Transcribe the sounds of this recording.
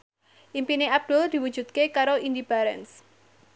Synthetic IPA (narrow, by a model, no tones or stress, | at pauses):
ʔimpineap̚d̥ʊld̪̥i̤wud̥d͡ʒ̥ṳt̪̚kekaɾoindipaɾɛns